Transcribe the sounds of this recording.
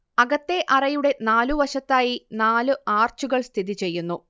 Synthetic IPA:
ɐɣɐt̪ːe̞ʔɐrɐjuɽe̞naːluʋɐʂɐt̪ːaːjinaːlɨaːrt͡ɕuɣɐɭst̪ʰiðit͡ɕe̞jːunːu

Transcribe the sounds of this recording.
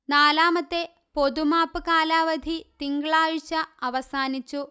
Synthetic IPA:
naːlaːmɐt̪ːe | po̞d̪umaːpɨkaːlaːʋɐd̪ʱit̪iŋɡɭaːɻɕɐɐʋɐsaːnit͡ɕːu

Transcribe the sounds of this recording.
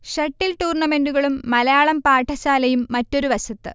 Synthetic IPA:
ɕɐʈːilʈ̪uːrɳɐme̞nduɣɐɭumːɐlɐjaːɭɐmpaːʈʰːɐɕaːlɐjumːɐtːo̞ɾuʋɐɕɐt̪ːɨ

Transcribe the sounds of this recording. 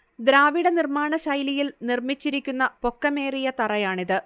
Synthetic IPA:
d̪ɾaːʋiɽɐnirmaːɳɐɕɐjlijilnirmit͡ɕːiɾikʲːunːɐpo̞kːɐmeːrijɐt̪ɐrɐjaːɳiðɨ

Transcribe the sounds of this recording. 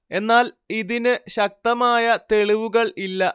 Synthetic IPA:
e̞nːaːl | iðinɨɕɐk̚t̪ɐmaːjɐt̪e̞ɭiʋuɣɐɭilːɐ

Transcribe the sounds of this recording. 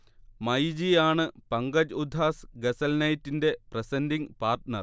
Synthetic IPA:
mɐjd͡ʑijaːɳɨpɐŋɡɐd͡ʑud̪ʱːaːsɡɐsɐlnɐjtːinde̞prɐsɐndiŋpaːrtnɐr

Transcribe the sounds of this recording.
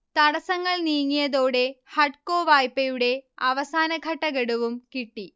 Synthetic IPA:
t̪ɐɽɐsɐŋːɐɭniːŋːijɐðo̞ːɽe̞hɐɖko̞ːʋaːjpːɐjuɽe̞ɐʋɐsaːnɐɡʱɐʈːɐɡeɽuʋumkiʈːi

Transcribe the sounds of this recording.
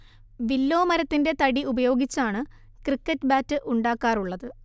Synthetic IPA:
ʋilːo̞ːmɐɾɐt̪ːinde̞t̪ɐɽiubɐjo̞ːɡit͡ɕːaːɳɨ | krikːɐtːbaːtːɨʔuɳɖaːkːaːruɭːɐðɨ

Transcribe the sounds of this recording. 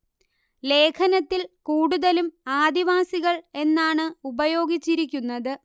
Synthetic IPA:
le̞ːkʰɐnɐt̪ːilkuːɽuðɐlumaːd̪iʋaːsiɣɐɭe̞nːaːɳɨubɐjo̞ːɡit͡ɕːiɾikʲːunːɐðɨ

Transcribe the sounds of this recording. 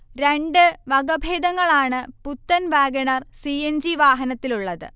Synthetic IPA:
ɾe̞ɳɖɨʋɐɡɐbʱeːd̪ɐŋːɐɭaːɳɨput̪ːɐnʋaːɡɐɳɐrsiend͡ʑiʋaːɦɐnɐt̪ːiluɭːɐðɨ̰

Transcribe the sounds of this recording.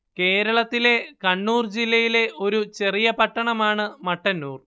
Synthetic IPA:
ke̞ːɾɐɭɐt̪ːile̞kɐɳːuːrd͡ʑilːɐjile̞ʔo̞ɾut͡ɕe̞rijɐpɐʈːɐɳɐmaːɳɨmɐʈːɐnːuːr

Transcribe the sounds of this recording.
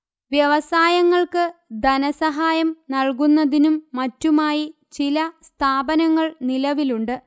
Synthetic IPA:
ʋjɐʋɐsaːjɐŋːɐɭkɨd̪ɐnɐsɐɦaːjɐmnɐɭkunːɐðinumːɐtːumaːji | t͡ɕilɐst̪ʰaːbɐnɐŋːɐɭnilɐʋiluɳɖɨ

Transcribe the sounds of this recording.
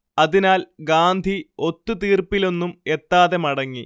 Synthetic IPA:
ɐðinaːlɡaːnd̪ʱio̞t̪ːut̪iːrpilo̞nːume̞t̪ːaːðemɐɽɐŋːi

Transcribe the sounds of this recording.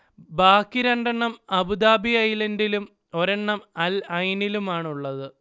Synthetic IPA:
baːkːiɾɐɳɖɐɳːɐmɐbud̪aːbiɐjlɐndilum | o̞ɾɐɳːɐmɐlɐjnilumaːɳuɭːɐðɨ

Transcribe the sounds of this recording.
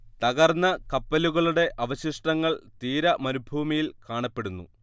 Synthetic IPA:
t̪ɐɣɐrnːɐkɐpːɐluɣɐɭuɽe̞ʔʔɐʋɐɕiʂʈɐŋːɐɭt̪iːɾɐmɐɾubʱuːmɐjilkaːɳɐpːe̞ɽunːṵ

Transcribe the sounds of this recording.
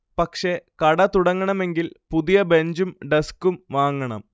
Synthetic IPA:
pɐkʂe̞kɐɽɐt̪uɽɐŋːɐɳɐme̞ŋɡilpuðijɐbe̞ɲd͡ʑumɖeskːumʋaːŋːɐɳɐ̰m

